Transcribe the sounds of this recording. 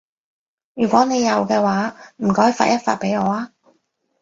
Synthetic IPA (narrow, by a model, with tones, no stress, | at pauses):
jyː˨˩kʷɔː˨˥ne˨˧jɐ˨wkɛː˧waː˨˥m̩˨˩kɔː˨˥jfa̰ː˧t̚jɐ˥t̚fa̰ː˧t̚pe˨˥jŋɔː˨˧aː˧